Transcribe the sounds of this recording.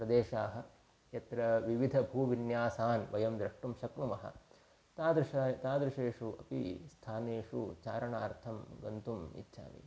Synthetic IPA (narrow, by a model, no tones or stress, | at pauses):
pɾɐd̪eːʃaːɦɐ̆ | jɐt̪ɾɐʋiʋid̪ʱɐbʱuːʋinjaːsaːnʋɐjɐmd̪ɾɐʂʈumʃɐknumɐɦɐ̰ | t̪ad̪ɾʃt̪aːd̪ɾuʂeːʂuʔɐpḭst̪ʰaːneːʂṵt͡ʃaːɾɐɳaːɾt̪ʰɐmɡɐnt̪umḭtːʃʰa̰ːʋḭ